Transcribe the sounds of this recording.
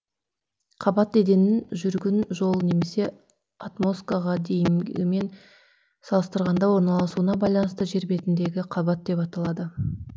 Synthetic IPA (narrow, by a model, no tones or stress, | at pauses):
qʰɑbɑt̪ːe̞d̪e̞nɪnʒʏɾɡʲɪnʒo̞lˠne̞me̞se̞ | at̪mo̞skaʁɑd̪e̞jɪmɪme̞n | sɑlˠəst̪əɾʁɑnd̪ɑwo̞ɾnɑlˠɑsuənɑbɑjlˠɑnəst̪əʒe̞ɾbe̞t̪ɪnd̪e̞ɡʲɪqʰɑbɑt̪̚d̪e̞pɑt̪ɑlˠɑd̪ə